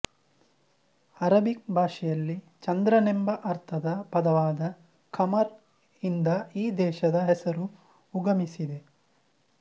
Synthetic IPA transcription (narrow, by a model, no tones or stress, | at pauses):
ɐɾɐbik̚bʱaːʂɛjɐlːi | t͡ʃɐnd̪ɾɐnembɐʔɐɾt̪ʰɐd̪ɐpɐd̪ɐʋaːd̪ɐ | kʰɐmɐɾ | ind̪ɐiːd̪ɛːʃɐd̪ɐɦɛsɐɾuː | ɡɐmisid̪e̞